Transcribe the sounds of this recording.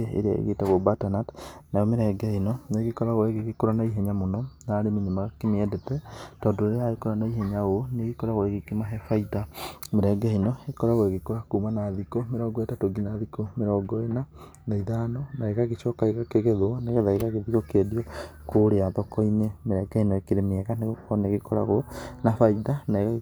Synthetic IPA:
eḛɾea̰ḛɣetaɣobatanatnajɔmeɾɛɡɛinɔneɣekɔɾaɣoeɣeɣekoɾanaiɦɛɲamonɔnaːɾeminemaɣakemeɛdetɛtɔːndɔɾeɾeaekoɾanaiɦɛɲaɣoneɣekɔɾaɣoeɣekimaɦɛfaitameɾɛɡainɔekɔɾaɣoeɣekoɾakuːmanaːðikomeɾɔɡɔetatoɡinaðikomeɾɔːɡɔena | naiðaːnɔnaeɣaɣeʃɔkaeɣakeɣeðoneɣɛðaeɣaɣeðikɔkediɔkoɾeaðɔkɔinemeɾɛɡainɔekeɾemeɛɣaneɣokɔneɣekɔɾa̰ɣonafaiðanaeɣa

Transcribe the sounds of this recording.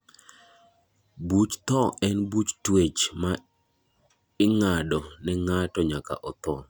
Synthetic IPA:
but͡ʃt̪ɔɛnbut͡ʃtwet͡ʃma | ɪŋadɔnɛŋatɔɲaka̰ʔɔt̪ɔ

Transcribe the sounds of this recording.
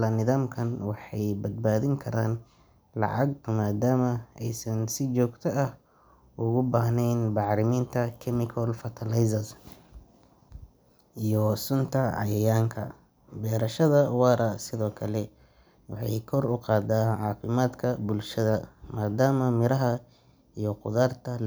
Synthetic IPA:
lɐnɪðaːmkʰɐnwɑħɑjbɐd̪̚baːðɪŋkʰɐɾaːn | lɑ̰ʕɑɡ̚maːd̪aːmɐɛjsɐnsɪt͡ʃɔːɡt̪ʰɐɐh | ʊɣʊbaːɦnɛjnbɑʕɾɪmiːnt̪ʰɐkʰɛmɪkʰɐlfɐt̪ʰɐlajsɐs | ʔijɔsʊnt̪ʰɐʕɑ̰jɐjaːŋkʰɐ̰ | bɛːɾɐʃɐðɐwɑːɾɐsɪðɔːkʰɐlɛ | wɑ̰ħɑ̰jkʰɔrʊqɑːd̪aːʕɑːfɪmaːd̪kʰɐbʊlʃɐðɐmaːd̪aːmɐmɪɾɐɦɐ | ijɔqʊðaːrt̪ʰɐ

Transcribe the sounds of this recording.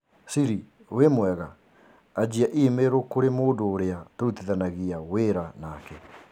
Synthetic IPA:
siɾi | wemwɛɣaː | d͡ʒiaʔimeɾokoɾemoːdoːɾeatoɾutiðanaɣiaweɾanakɛ

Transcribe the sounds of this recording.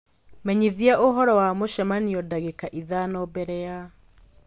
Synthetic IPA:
mɛɲiðiaʔoɦɔɾɔwamoʃɛmaniɔdaɣekaʔiðanɔbɛɾɛja

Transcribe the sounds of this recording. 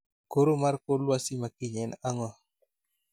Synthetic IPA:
koɾomarkolwasimakiɲɛnaŋɔ

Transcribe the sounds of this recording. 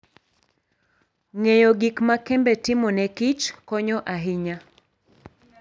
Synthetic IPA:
ŋejɔɡikmakɛmbɛtɪmɔnɛkit͡ʃkɔɲɔʔaɦɪɲa

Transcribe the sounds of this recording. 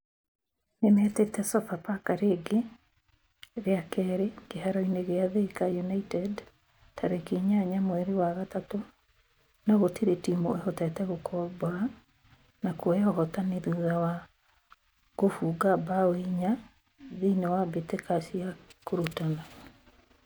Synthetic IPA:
nemɛtetɛsɔfapakaɾeɡe | ɾeakɛɾeɡehaɾɔineɣeaðekajunaitɛd | tʰaɾekiɲaɲamwɛɾiwaɣatato | naɣotiɾetimoehɔtɛtɛɣokʰɔbɔa | nakwɔeɔɦɔtaneðuðawa | ɣofuːɡabawiɲa | ðinewabetekasiakoɾutana

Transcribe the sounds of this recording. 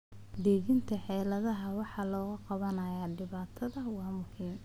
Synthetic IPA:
d̪ɛːɣɪnt̪ʰɐħɛːlɐðɐɦɐwɑħɑːlɔːɣɐqɑβɐnɐjaːɖɪβaːt̪ʰɐðɐwɑːmʊhiːm

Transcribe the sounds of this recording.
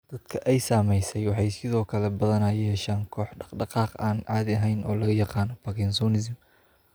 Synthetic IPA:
d̪̥ɐd̪̥kʰɐʔɛjsaːmɛjsɛjwɑħɑjsɪðɔːkʰɐlɛbɐðɐnɐjɛːʃaːŋkʰɔːħɖɑqɖɑqɑːqaːnʕɑːd̪ɪɐɦɛjnʔɔ̰ːlɐɣɐjɑqɑːnɔpɐkɪnsɔːnɪzɪm

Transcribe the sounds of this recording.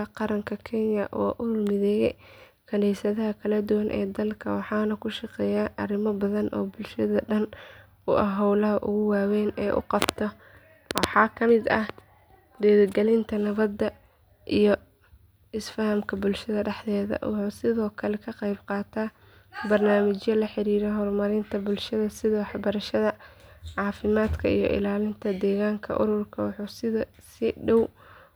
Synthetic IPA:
qɑɾɐŋkʰɐkʰɪnjɐʔɔ̰ːʔʊmɪðɛːjɛ̰ | kʰɐnɛjsɐðɐɦɐkʰɐlɐd̪ʊwɐnʔɛ̰ːd̪ɐlkʰɐwɑħɑːnɐkʰʊʃɑqɛːjaːʔɐrɪmɔbɐðɐnʔɔ̰ːbʊlʃɐðɐɖɐn | ʊʔɐɦɔwlɐɦɐʔʊ̰ɣʊwaːwɛːnɛːʔʊ̰qɑb̥t̪ʰɔ | wɑħɑːkʰɐmɪd̪ɐh | d̪ɛːðɡɛlɪnt̪ʰɐnɐβɐd̪ːɐ | ʔijɞ | ɪsfɐhɐmkʰɐbʊlʃɐðɐɖɛħðɛːðɐ̰wɑħuːsɪðɔːkʰɐlɛkʰɐqɑjbqɑːt̪ʰaː | bɐrnaːmɪt͡ʃjɐlɐħɪɾiːɾɛɦɔrmɐɾɪnt̪ʰɐbʊlʃɐðɐsɪðɐwɑħbɐɾɐʃɐðɐʕɑːfɪmaːd̪kʰɐḭjɞ̰ʔɪ̰laːlɪnt̪ʰɐd̪ɛːɣaːŋkʰɐ̰ʔʊ̰ɾʊrkʰɐwɑħuːsɪðɐ | sɪɖɔw

